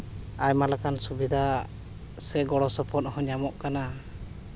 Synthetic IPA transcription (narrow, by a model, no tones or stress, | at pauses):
ajmalakansubid̪ʱa | sɛɡɔɽɔsɔpʰɔt̪̚hɔɲamɔʔkana